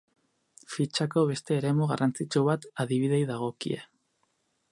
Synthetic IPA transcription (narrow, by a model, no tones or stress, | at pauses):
fit͡ʃako̞β̞e̞st̪e̞ːɾe̞muɣarant͡sit͡ʃuβat̪aðiβ̞iðe̞jðaɣ̞o̞kḭe̞̰